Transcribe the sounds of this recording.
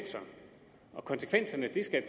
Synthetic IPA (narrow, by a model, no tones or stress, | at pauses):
n̰sɐ | ɒ̽kʰɒ̽nsə̥kʰʋen̰sɐnəd̥isɡ̥æpʰ